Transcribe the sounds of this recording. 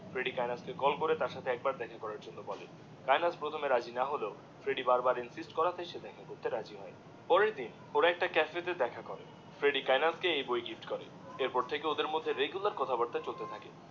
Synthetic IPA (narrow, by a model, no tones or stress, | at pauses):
fɾeɖikajnaskekɔlkoɾet̪aɾʃat̪ʰeɛk̚baɾd̪ɛkʰakɔɾaɾd͡ʑonːobɔle | kajnaspɾot̪ʰomeɾad͡ʑinaɦoleo | fɾeɖibaɾbaɾinsisʈkɔɾat̪ʰeʃed̪ɛkʰakoɾt̪eɾad͡ʑiɦɔe | pɔɾeɾd̪in | oɾaɛk̚ʈakɛfet̪ed̪ɛkʰakɔɾḛ | fɾeɖikajnaskeejbojɡifʈkɔɾḛ | eɾpɔɾt̪ʰekeod̪eɾmod̪ʱːeɾeɡulaɾkɔt̪ʰabaɾt̪at͡ɕolt̪et̪ʰake